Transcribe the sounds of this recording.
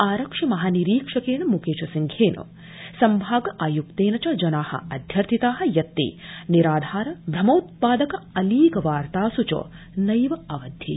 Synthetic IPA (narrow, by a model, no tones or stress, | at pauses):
aːɾɐkʂɐmɐɦaːniɾiːkʂɐkeːnɐmukeːt͡ʃɐsiŋkʰeːnɐ̰ | sɐmbʱaːɡɐʔaːjukt̪eːnɐt͡ʃɐd͡ʒɐnaːhɐ̰ɐd̪ʱjɐɾt̪ʰit̪aːɦɐ̆jɐt̪ːḭːniɾaːd̪ʱaːɾɐbʱɾɐmoːt̪̚paːd̪ɐkɐɐliːkɐʋaːɾt̪aːsut͡ʃo̰ː | nɐjʋɐɐʋɐd̪ʱjḛː